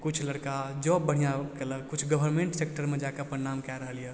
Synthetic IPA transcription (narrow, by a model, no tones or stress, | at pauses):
kut͡ʃʰləɽkad͡ʒɔbːəɽ̤ijakeləɡ̚kut͡ʃʰɡəbʱəɾmẽɳʈsek̚ʈəɾmed͡ʒakeəpənːamkaɾəɦəljɛ